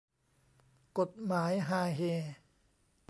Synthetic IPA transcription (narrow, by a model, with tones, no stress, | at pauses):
ko˨˩t̪̚maː˩˦jɦaː˧ɦeː˧˩